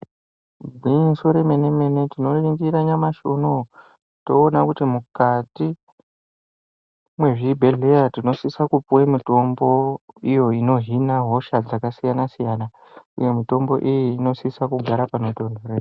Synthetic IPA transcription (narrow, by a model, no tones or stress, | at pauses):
bʱinsoɾe̞me̞ne̞me̞ne̞tino̞riŋɡiɾaɲamaʃono | to̞ːnakutimukati | mwe̞ʐibʱe̞ɮe̞jatino̞sisakupuwemito̞mbo̞ijo̞ino̞ɦinaɦo̞ʃad͡zakasijanasijana | ṵje̞mito̞mbo̞ʔijiːno̞sisakuɡʱaɾapanoto̞ndʱore